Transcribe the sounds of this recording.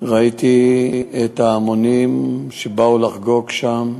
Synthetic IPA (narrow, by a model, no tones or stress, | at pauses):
ʁait̪iet̪aːmonimʃebaulaχɡo̞kʃam